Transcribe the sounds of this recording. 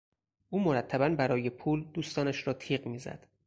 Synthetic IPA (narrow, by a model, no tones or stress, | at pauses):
ʔuːmo̞ɾæt̪ʰːæbænbæɾɒːje̞pʰuːld̪uːst̪ɒːnæʃɾɒːt̪ʰiːɢmiːzæ̰d̪̥